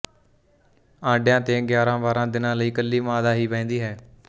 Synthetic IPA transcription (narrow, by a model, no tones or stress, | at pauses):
ãːɖjãːt̪eːɡjaːɾãːʋaːɾãːd̪ɪnãːləiːkəlːiːmaːd̪aːɦiːpɛ̃ːnd̪iːɦɛː